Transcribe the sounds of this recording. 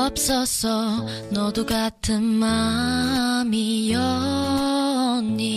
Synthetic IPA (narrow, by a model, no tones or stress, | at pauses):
p̚sʌsʌ | nɔd̪uɡatʰɯmːa | mijɔ | nːi